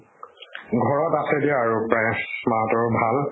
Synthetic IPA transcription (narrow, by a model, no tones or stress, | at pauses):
ɡʱɔɹɔtasɛdijaːɹupɹɛ̃smatɔɹbʱal